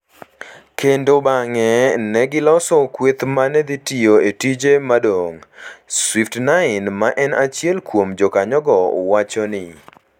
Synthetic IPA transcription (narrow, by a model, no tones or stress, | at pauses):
kʰendobaŋɛnɛɡɪlɔsɔkwet̪manɛd̪itioetid͡ʒemadoŋswiftnaɪnmaʔɛnat͡ʃjɛlkwomd͡ʒɔkaɲɔɡɔo̰wat͡ʃɔnɪ